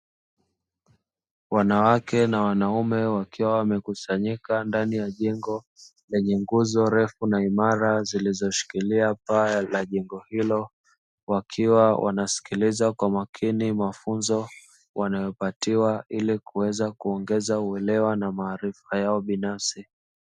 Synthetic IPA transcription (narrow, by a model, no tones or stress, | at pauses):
wanawakɛnawanaumɛwakiwawamɛkusaɲikandanijaʄɛŋɡɔ | lɛɲɛŋɡuzɔɾɛfunaimaɾazilizɔʃi̥kiliapalaʄɛŋɡɔhilɔ | wakʰiwawʔa̰nasi̥kilizakwamakʰinimafunzɔ | wʔanajɔpatiwailikuwɛzakuɔŋɡɛzauɛlɛwanamaːɾifajaɔɓinafsi